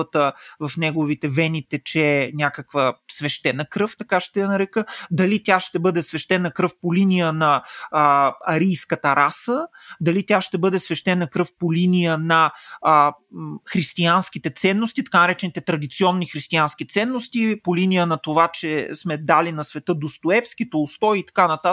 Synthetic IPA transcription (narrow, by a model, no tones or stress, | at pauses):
ət̪əvɐfnɛɡovit̪ɛvɛnʲit̪ɛt͡ʃɛnʲakəkvəsvɛʃt̪ɛnəkɾɤft̪ɐkaʃt̪ɛjnɐɾɛkəd̪ɐlit̪ʲjaʃt̪ɛbɤd̪ɛsvɛʃt̪ɛnəkɾɤfpolinijənɐ | ɐɾijskət̪ɐɾʔasəd̪ɐlit̪ʲjaʃt̪ɛbɤd̪ɛsvɛʃt̪ɛnəkɾɤfpolinijənɐ | xɾist̪ianskit̪ɛt̪sɛnːost̪it̪ɐ̥kanɐɾɛt͡ʃɛnit̪ɛt̪ɾɐd̪it̪siɔnːixɾist̪iansk̟it̪sɛnːost̪ipolinijənɐt̪ovat͡ʃɛsmɛd̪alinɐsvɛt̪ɤd̪ost̪oɛfsk̟it̪oːst̪ɔiit̪ɐ̥kanɐt̪a